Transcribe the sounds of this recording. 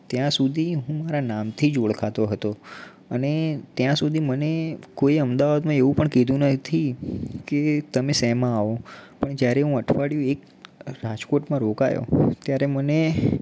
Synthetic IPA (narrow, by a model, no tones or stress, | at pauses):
t̪jãsud̪ʱiɦũmaɾanamt̪ʰid͡ʒoɭkʰat̪oɦət̪o | ənet̪jãsud̪ʱimənekoiəmd̪aʋad̪mãeʋũpəɳked̪ʱũnət̪ʰiket̪əmesɛmãːʋopəɳd͡ʒjaɾeɦũəʈʰʋaɽjũek | ɾad͡ʒkoʈmãɾoka̰jo̰t̪jaɾeməne